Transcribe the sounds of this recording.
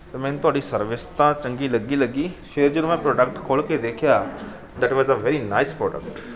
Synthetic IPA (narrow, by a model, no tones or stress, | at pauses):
t̪eːmɛ̃ːnt̪ʊaːɖisəɾʋɪst̪ãːt͡ʃə̃ŋɡiːləɡːiːləɡːiːfʰeːɾd͡ʒod̪mɛ̃ːpɾɔːɖək̚ʈkʰoːɭked̪eːkʰjaː | d̪æʈʋɔzəʋɛːɾinaɪspɾɔːɖə̰kʈ